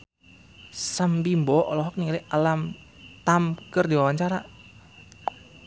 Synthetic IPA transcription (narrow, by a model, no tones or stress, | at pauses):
sambimbɔʔɔlɔɦɔk̚niŋaliʔalam | t̪amkərdiwawaɲt͡ʃaɾa